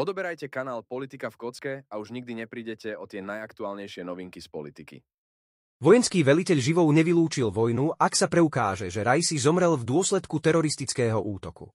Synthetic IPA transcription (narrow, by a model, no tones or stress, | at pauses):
ɔd̪ɔbɛɾajcɛkanaːlpɔlit̪ikafkɔt͡skɛauʒɲiɡ̚d̪iɲɛpɾiːɟɛcɛɔt̪ɪɛnajakt̪uaːlɲɛjʃɪɛnɔʋiŋkispɔlit̪ikḭ | ʋɔjɛnskiːʋɛlicɛʎʒiʋɔʊɲɛʋiluːt͡ʃilʋɔjnuʔaksapɾɛukaːʒɛʒɛɾajsizɔmɾɛlvd̪ʊɔslɛt̪kut̪ɛɾɔɾist̪it͡skɛːɦɔʔuːt̪ɔkṵ